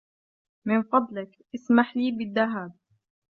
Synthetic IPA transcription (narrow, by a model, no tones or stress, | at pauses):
mɪnqɑd̪lɪkʔasmaħliːbɪðːaɦaːb̚